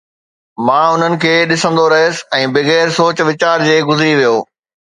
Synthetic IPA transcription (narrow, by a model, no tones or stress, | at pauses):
mãːʊn̤ənɪ̆kʰeːɗɪsə̃nd̪oɾɐɦeːsɪ̥̆ɛ̃ːbɪɣeːɾsoːt͡ɕʋɪt͡ɕaːɾd͡ʑeːɡʊzɪɾiʋijoː